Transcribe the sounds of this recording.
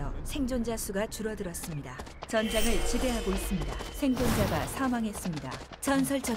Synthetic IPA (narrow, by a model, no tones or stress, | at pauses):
ʌsʰe̞ŋd͡ʑond͡ʑasʰuɡat͡ɕuɾʌdɯɾʌs͈ɯmɲida | t͡ɕʌnd͡ʑaɡɯɭt͡ɕibe̞ɦaɡois͈ɯmɲida̰sʰe̞ŋd͡ʑond͡ʑaɡasʰamaŋɦe̞s͈ɯmɲida̰ | t͡ɕʌns̬ʰʌɭt͡ɕ͈ʌ